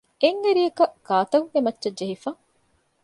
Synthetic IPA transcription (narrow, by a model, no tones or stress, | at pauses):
eŋɡeɾijɐkɐɡ̥aːt̪ɐɡemɐtːʃɐd͡ʒeɦifaː